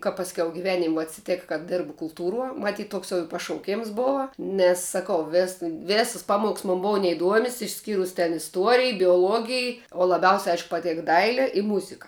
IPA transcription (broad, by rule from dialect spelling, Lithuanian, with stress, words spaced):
kɐ pɐsʲˈkʲɛʊ ɡʲɪˈʋʲæːnʲɪmʲ ʋuɔ ɐtʲsʲɪˈtʲeːk kɐ ˈdʲɪrbʊ kʊlˠˈtuːruɔ mɐˈtʲiːt ˈtoːks ɪ jɛʊ pɐʃɐʊˈkʲeːms ˈboːʋɐ ˈnʲɛs sɐˈkɐʊ ʋʲɛs ˈʋʲeːsɐs ˈpɑːˌmoːks moːn ˈboːʊ nʲɛɪˈduɔmʲɛs ɪʃʲˈsʲkʲiːrʊs tʲɛn ɪsˈtuɔrʲɪj bʲoːˈlˠuɔɡʲɪj oː lˠɐˈbʲɛʊsʲɛ ˈɐɪʃk pɐˈtʲeːk ˈdɐɪlʲɛ ɪ ˈmʊzʲɪkɐ